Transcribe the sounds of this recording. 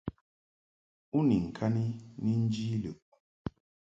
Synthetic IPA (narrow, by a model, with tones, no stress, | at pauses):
u˦ni˨ŋ̩˨kʰa˦ni˦ni˦n˦d͡ʒiː˦lə˨ʔ